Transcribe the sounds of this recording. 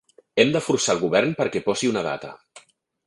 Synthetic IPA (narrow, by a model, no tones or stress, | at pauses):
ɛmd̪əfuɾsalˠɣuβɛrnpəɾkɛpɔsiunəða̰t̪ə̰